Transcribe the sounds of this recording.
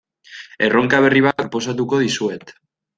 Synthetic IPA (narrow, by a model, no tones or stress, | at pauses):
eroŋkaβeriβakposat̪̬ukoðiswet̪